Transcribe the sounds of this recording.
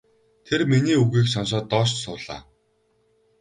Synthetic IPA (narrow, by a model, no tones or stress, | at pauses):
t̪ʰerminiːuɣiːkʃɔnʃ̬ɔːt̪ːɔːʃt͡ɕsʊːɮa̰ː